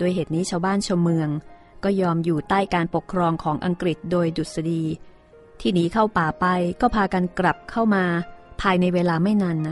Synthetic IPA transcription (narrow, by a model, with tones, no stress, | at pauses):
doː˧jɦeː˨˩t̪̚niː˦˥t͡ɕʰaː˧wbaː˥˩nt͡ɕʰo˧mːɯ˧əŋ | kɔː˥˩jɔː˧mjuː˨˩t̪aː˥˩jkaː˧npo˨˩kʰːɾɔː˧ŋkʰɔː˩˦ŋʔa˧ŋkɾi˨˩t̪̚doː˧jdu˨˩t̪̚sa˧diː˧ | t̪ʰiː˥˩niː˨˦˥kʰa˥˩wpaː˨˩pa˧jkɔː˥˩pʰaː˧ka˧nkɾa˨˩p̚kʰa˥˩wmaː˧pʰaː˧jna˧jweː˧laː˧ma˥˩jna˧nːa˦˥